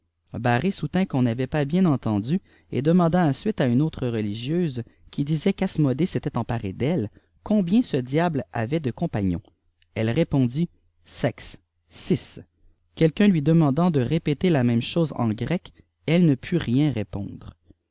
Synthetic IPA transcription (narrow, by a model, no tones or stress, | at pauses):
baʁesut̪ɛ̃kɔ̃navɛpabjɛ̃nɑ̃t̪ɑ̃d̪y | ḛd̪əmɑ̃d̪aɑ̃sɥit̪aynoːt̪χəʁəliʒjøːzkʲid̪izɛkasmɔd̪eset̪ɛt̪ɑ̃paʁḛd̪ɛl | kɔ̃bjɛ̃səd̪jabla̰vɛd̪əkɔ̃paɲɔ̰̃ | ɛlʁepɔ̃d̪i | sɛks | sis | kʲɛlkʲœ̃lɥid̪əmɑ̃d̪ɑ̃d̪əʁepet̪elamɛ̃mʃoːzɑ̰̃ɡʁɛk | ɛlnəpʰyʁjɛ̃ʁepɔ̰̃d̪ʁ